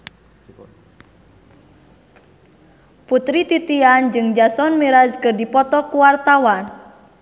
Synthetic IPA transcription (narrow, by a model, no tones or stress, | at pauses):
put̪ɾit̪it̪iand͡ʒɨŋd͡ʒasɔnmiɾaskɨrdipɔt̪ɔkuwart̪awan